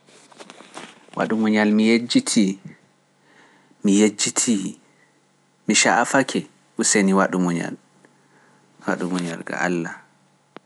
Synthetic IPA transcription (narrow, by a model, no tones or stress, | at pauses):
wa̰ɗumuɲalmijed͡ʒitʰi | mijed͡ʒːitʰi | miʃaʔafakʰɛ | ʔuseniwaɗumuɲa̰l | wa̰ɗumuɲa̰lɡa̰a̰lːa